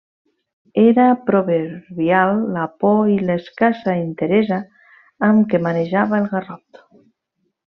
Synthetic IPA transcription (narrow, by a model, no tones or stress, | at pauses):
eɾapɾoβeɾβjalːapɔileskasaint̪eɾezaː | mkemaneʒaβaelˠɣarɔt̪